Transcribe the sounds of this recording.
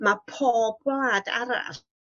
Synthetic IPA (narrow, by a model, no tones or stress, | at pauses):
mapʰoːb̚ɡlaːda̰ɾa̰r